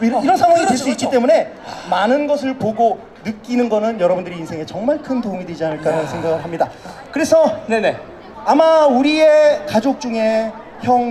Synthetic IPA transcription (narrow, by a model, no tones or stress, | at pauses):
iɾʌnsʰaŋwaŋiteɭs͈uitk͈it͈e̞mune̞ | manɯnɡʌsʰɯɭpoɡo | nɯk͈inɯnɡʌnɯnjʌɾʌbundɯɾiːnsʰe̞ŋe̞t͡ɕʌŋmaɭkʰɯntouŋidwe̞d͡ʑianɯɭk͈aɾansʰeŋɡaɡɯɭɦamɲidakɯɾe̞sʰʌnne | amauɾiekad͡ʑok̚t͡ɕ͈uŋe | çjʌŋ